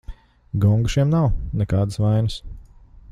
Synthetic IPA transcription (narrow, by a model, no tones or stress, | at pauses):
ɡɔŋɡuʃiɛmnawnɛkaːd̪əsʋajnəs